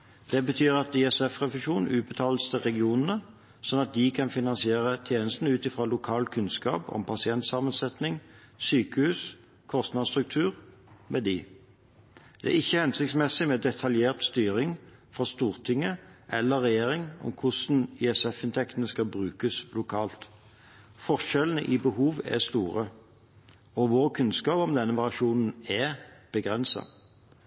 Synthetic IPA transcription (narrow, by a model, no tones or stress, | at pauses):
d̪̥ɛbət̪ʰyːʁɑt̪ɪɛsɛfʁɛʋɪʃuːnʉːt̪̚bət̪ʰɑːlst̪ʰɪʁɛɡɪuːnn̩ə | sɔnɑt̪̚d̪ɪkʰɑnfɪnɑnsɪeːʁət̪ʰjeːnəst̪n̩ʉːt̪ɪfʁɑːlʊkʰɑːlkʰʉnskɑ̰ːpɔ̰mpʰɑsɪɛnt̪sɑmənsɛt̪nɪŋ | syːkəhʉːs | kʰɔst̪nɑːd̪st̪ʁʉk̚t̪ʰʉːʁ | mɛd̪ɪː | d̪̥ɛæ̰ɪçːəhɛnsɪkt̪smɛsːɪmeːd̪ɛt̪ʰɑljeːʁt̪st̪yːɾɪŋfɾɑst̪uːʁt̪ʰɪŋːəʔɛlːəʁːɛjeːɾɪŋɔ̰mkʰʊsn̩iɛsɛfɪnt̪ʰɛkt̪ənəskɑbʁʉːkəslʊkʰɑːlt̪ | fɔʁʃɛlənəʔɪbəhuːʋɛ̰st̪uːʁə | ɔʋoːʁkʰʉnskɑːpɔmd̪ɛnːəʋɑʁɪɑʂuːnn̩ɛb̥əɡʁɛnsɑ̰